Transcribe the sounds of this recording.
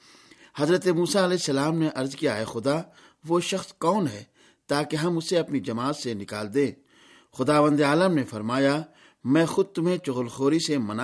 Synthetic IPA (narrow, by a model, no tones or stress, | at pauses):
hɐzɾət̪emuːsaɐlɛːsːɐlaːmneʔɐɾzkijaɦɛxʊd̪a | ʋoʃɐxskɔːnɦɛː | t̪aːkeɦɐmʊseɐpnid͡ʒɐmaːt̪senɪka̰ːld̪ẽː | xʊd̪aːʋə̃nd̪aːləmnefɐɾmaːja | mɛ̃ːxʊd̪̚t̪ʊmɦẽt͡ʃʊɣəlxoːɾisemɐna